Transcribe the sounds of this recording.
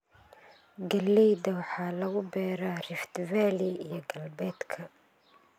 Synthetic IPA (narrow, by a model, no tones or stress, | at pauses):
ɡɐlːɛjd̪ɐwɑħɑːlɐɣʊbɛːɾaːrɪft̪ʰvaːliijɞɡɐlbɛːd̪kʰɐ